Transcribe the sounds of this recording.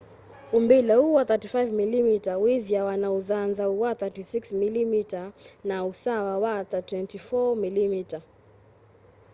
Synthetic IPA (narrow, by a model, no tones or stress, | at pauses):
umbilauwaθatifajvmilimitawiðijawanauðanzauwaθatisiksmilimitanausawawaθatwɛntifɔmilimita